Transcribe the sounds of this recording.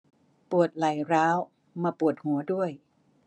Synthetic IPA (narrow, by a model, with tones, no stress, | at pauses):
pu˨˩ət̪̚la˨˩jɾaː˦˥w | maː˧pu˨˩ət̪̚hu˨˩˦ədu˥˩əj